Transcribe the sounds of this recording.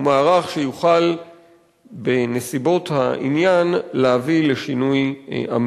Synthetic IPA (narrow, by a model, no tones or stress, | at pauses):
umaːʁaχʃejuχal | be̞nesibo̞tha̰ʔḭnjanleavile̞ʃinuja̰m